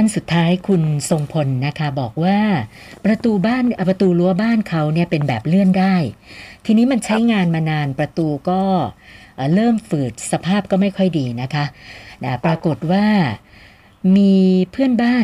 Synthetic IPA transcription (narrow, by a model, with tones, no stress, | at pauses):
a˥˩nsu˨˩t̪ʰːaː˦˥jkʰu˧nso˧ŋpʰo˧nːa˦˥kʰa˦˥bɔː˨˩k̚waː˥˩ | pɾa˧t̪uː˧baː˥˩n˧pɾa˧t̪uː˧lu˦˥ɐbaː˥˩nkʰa˦˥wni˥˩ɐpe˧nbɛː˨˩p̚lɯ˥˩əndaː˥˩jt̪ʰiː˧niː˦˥ma˧nt͡ɕʰa˦˥jŋaː˧nmaː˧naː˧npɾa˧t̪uː˧kɔː˥˩ʔːɾɤː˥˩mfɯː˨˩k̚sa˧pʰaː˥˩p̚kɔː˥˩ma˥˩jkʰɔ˥˩jdiː˧na˦˥kʰa˦˥na˦˥˩pɾa˧ko˨˩t̪̚waː˥˩ | miː˧pʰɯ˥˩ənbaː˥˩